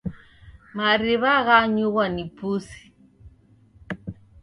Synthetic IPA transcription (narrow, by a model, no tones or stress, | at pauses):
maɾiβaɣaɲuɣwanipusi̥